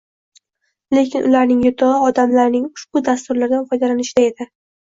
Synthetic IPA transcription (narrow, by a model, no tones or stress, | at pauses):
le̞kʲʰɪnʔʊlaɾnɪŋjʊt̪ʰɒɒd̪amlaɾnɪŋʊʃbʊd̪ast̪ʊɾlaɾd̪anfɒjd̪alanɪʃd̪ae̞d̪ɪ